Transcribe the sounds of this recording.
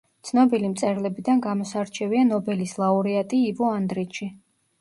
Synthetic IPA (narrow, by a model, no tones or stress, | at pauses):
t̪sʰnɔbilimt̪sʼɛɾlɛbid̪anɡamɔsaɾt͡ʃʰɛvianɔbɛlislˠauɾiat̪ʼiːvɔand̪ɾit̪ʃʰi